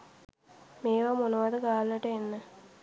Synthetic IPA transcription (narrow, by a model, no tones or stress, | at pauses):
meːʋamonɐʋɐd̪ɐɡaːlːəʈəenːə